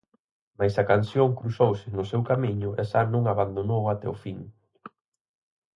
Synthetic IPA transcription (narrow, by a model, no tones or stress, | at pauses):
majsakansjõŋkɾusowsɪnʊsewkamiɲʊʔɛʃanõŋaβand̪onowat̪ɛ̰ofiŋ